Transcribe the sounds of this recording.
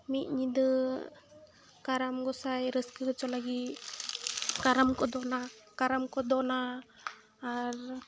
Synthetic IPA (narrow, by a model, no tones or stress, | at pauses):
mit̪̚ɲid̪ɯ | kaɾamɡɔsajɾəskəɦɯt͡ʃɔlaɡi | kaɾamkɔd̪ɔnakaɾamkɔd̪ɔnaː | ɾ